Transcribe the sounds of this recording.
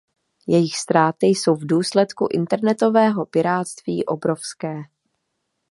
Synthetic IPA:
jɛjɪxst̪ɾaːt̪ɪjso̞wvduːslɛt̪kuʔɪnt̪ɛɾnɛt̪o̞vɛːɦo̞pɪɾaːt̪st̪viːʔo̞̰bɾo̞fskɛː

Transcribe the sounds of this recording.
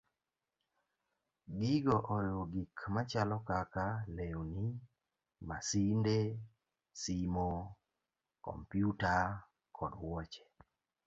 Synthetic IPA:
ɡɪɡɔʔɔjoɡikmat͡ʃalɔkakaleoni | masinde | simo | kɔ̰mpjuta | kʰɔdwɔt͡ʃe̥

